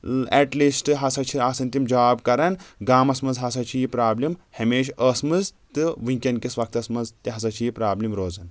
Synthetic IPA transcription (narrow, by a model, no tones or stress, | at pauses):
eʈliːsʈɨɦɐsɐt͡ʃʰiaːsɐnt̪imd͡ʒaːbkɐɾɐnɡaːmɐsmɐzɦɐsɐt͡ʃʰijipɾaːblimhɐmeːʃɐsmɨz | t̪ɨʋɨŋkʲɐnkisʋɐk̚t̪ɐsmɐzt̪iɦɐs̬ɐt͡ʃʰijipɾaːblimɾoːzɐn